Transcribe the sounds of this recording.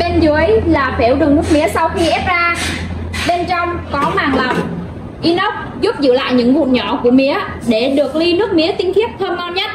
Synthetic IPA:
ɓe˧nzɨ˨˦˨jlaː˨˩fe˧˩wɗɨ˨˩ŋmʊ˦˥t̚mḭ˧˦əsa˧wxi˧ʔɛ˦˥p̚zaː˧ | ɓe˧nt͡ɕɔ˧wŋ͡mkɔ˨˦maː˨˩ŋla˨˦w | ʔi˧nɔ˦˥k͡p̚zu˦˥p̚zɨ̰˧˨la̰ː˧˨jɲɨ̰˧˥ŋvṵ˧˨ɲɔ˧˩ku˧˩əmḭ˧˥ə | ɗe˧˩ɗɨ˨˩ək̚li˧nɨ˦˥ək̚mḭ˧˨˥ət̪ï˨˧ŋt̪ʰi˦˥əp̚t̪ʰə˧mŋɔ˧nɲə˦˥t̚

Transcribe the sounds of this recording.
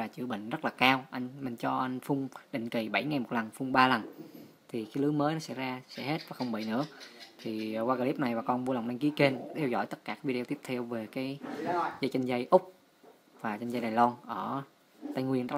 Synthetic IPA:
aː˨˩t͡ɕɨ̰˧˦ɓḭ˧˨ŋ̟zə˦˥t̚laː˨˩kaː˧wʔa˧jŋ̟mï˨˩ŋ̟t͡ɕɔ˧ʔa˧jŋ̟fʊ˧ŋ͡mɗḭ̈˧˨ŋ̟ki˨˩ɓa˧˩jŋa˨˩jmo˨˩t̚lə˨˩nfʊ˧ŋ͡mɓaː˧lə˨˩n | t̪ʰi˨˩kaː˨˦lɨ˨˦məː˨˦jnɔ˨˦sɛ̰˧˥jzaː˧sɛ̰˧˥ɦe˦˥t̚vaː˨˩xə˧wŋ͡mɓḭ˧˨nɨ̰˧˥ət̪ʰi˨˩waː˧a˧li˦˥p̚na˨˩jvaː˨˩kɔ˧nvu˧la˨˩wŋ͡mʔa˧jŋki˨˦ke˧nt̪ʰɛ˧wzɔ̰˧˩jt̪ə˦˥t̚kaː˧˩kaː˨˦vi˧e˧i˦˥əp̚t̪ʰɛ˧wve˨˩kaː˨˦jza˧jt͡ɕa˧ŋ̟zə˧jʔʊ˦˥k͡p̚ | vaː˨˩t͡ɕa˧n̟za˧jɗaː˨˩jlɔ˧nʔəː˧˩ | t̪a˧jŋwi˧˩ənzə˦˥

